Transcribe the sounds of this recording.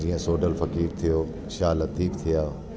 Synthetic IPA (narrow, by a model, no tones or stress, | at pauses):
d͡ʑiːə̃soːɖəlfɐkiːɾt̪ʰijoː | ʃaːlɐt̪iːbt̪ʰijaː